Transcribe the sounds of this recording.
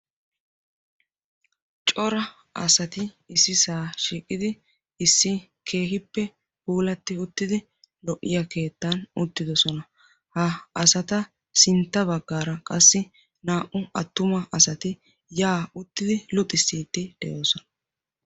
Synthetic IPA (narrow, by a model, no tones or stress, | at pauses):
t͡ʃʼɔɾɐ | ɐ̰sɐt̪ɪ | ɪsːɪsaːʃiːkʼːɪd̪ɪ | ɪsːɪkʰe̞ːɦɪpːɛ | huːlɐt̪ːɪʊt̪ːɪd̪ɪ | lɔʔːɪjɐke̞ːt̪ːɐnʊt̪ːɪd̪ɔsɔnɐ | hɐɐsɐt̪ɐ | sɪnt̪ːɐbɐɡːaːɾɐkʼɐsːɪ | naːʔʊɐt̪ːʊmɐʔɐsɐt̪ɪ | jaːʊt̪ːɪd̪ɪlʊt̪ʼːɪsːiːt̪ːɪd̪̥ɛjoːsɔnɐ